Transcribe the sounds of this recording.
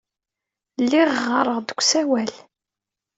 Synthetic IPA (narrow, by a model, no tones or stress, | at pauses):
lːiʁʁːəɾˤəʁd̪əkʷːsæwæl